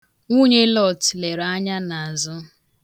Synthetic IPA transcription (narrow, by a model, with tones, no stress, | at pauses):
ŋu˦ɲe˦lɔ˦˨tle˨ɾa˦ɲa˦na˨a˨zʊ˦